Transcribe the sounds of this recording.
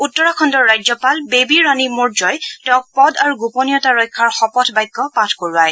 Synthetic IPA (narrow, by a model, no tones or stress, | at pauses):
utːɔɹakʰɔndɔɹːajzɔpalbebiɹanimɔɹzɔjtɔɔ̃k̚pɔdaɹuɡupɔnijɔtaɹɔjkʰːaɹxɔpɔtʰbajɡːɔpatʰkoɹuaj